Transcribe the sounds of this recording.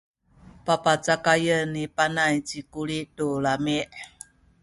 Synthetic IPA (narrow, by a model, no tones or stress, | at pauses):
papat͡sakajənipanajt͡ʃikuliʔtulameʔ